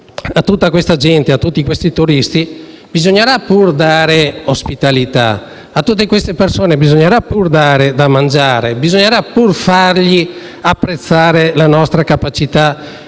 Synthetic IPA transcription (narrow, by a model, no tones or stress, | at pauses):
at̪ːut̪ːakwest̪ad͡ʒɛnt̪eat̪ːut̪ːikwest̪it̪uɾist̪i | bizoɲːeɾapurd̪aːɾeospit̪alit̪a̰ | at̪ːut̪̬ːekwest̪epersoːnebizoɲːeɾapurd̪aːɾed̪amand͡ʒaːɾebizoɲːeɾapurfarʎi | apːɾet̪sːaːɾelanɔst̪ɾakapat͡ʃit̪a